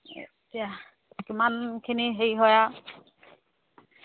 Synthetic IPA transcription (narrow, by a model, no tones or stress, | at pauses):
ḛ | tija | kimankʰiniɦejɦɔja